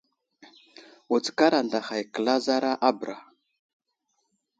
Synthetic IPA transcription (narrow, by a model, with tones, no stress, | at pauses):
u˨t͡ska˦ɾa˨nda˨xa˨jkə˨la˦za˦ɾa˦ʔa˦bɾa˨